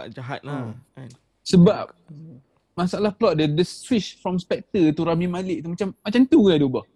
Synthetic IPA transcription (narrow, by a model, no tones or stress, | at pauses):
a̰ʔd͡ʒaɦa̰t̪̚la | səbap̚ | masaalahpəlɔt̪̚dədəsfiʃfɾɔmspɛk̚t̪ət̪uɾamimalɪʔ̚t̪umat͡ʃamːat͡ʃamt̪uɡadobah